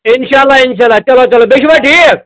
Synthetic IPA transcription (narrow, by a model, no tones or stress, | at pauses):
inɕalːainɕalːat͡ɕalat͡ɕalabeɕiʋaʈʰiːk̚